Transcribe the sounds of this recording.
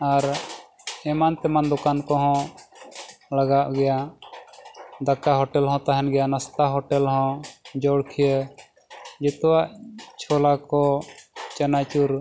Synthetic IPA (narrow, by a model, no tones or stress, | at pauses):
aɾ | ɛmant̪ɛmand̪ukankɔɦɔ̃ | ləɡaʔɡɛja | d̪əkaɦɔʈɛlɦɔ̃t̪aɦɛnɡɛjanast̪aɦɔʈɛlɦɔ̃d͡ʒɔɽkʰijə | d͡ʒɛt̪waʔt͡ʃʰɔlakɔt͡ʃənat͡ʃuɾ